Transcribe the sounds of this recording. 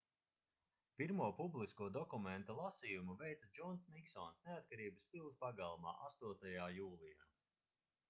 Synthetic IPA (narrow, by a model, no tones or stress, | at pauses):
piɾmuɔpublˠiskuɔd̪ɔkument̪ulˠasijumuvɛjt̪sad͡ʒɔnsniksɔnsneat̪̚kaɾiːbɨspilˠspaɡalˠma̰ːʔast̪uɔt̪ajaːjuːlˠijaː